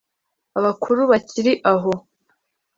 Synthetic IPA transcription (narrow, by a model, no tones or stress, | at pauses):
aβakʰuɾuβaciɾiʔaɦo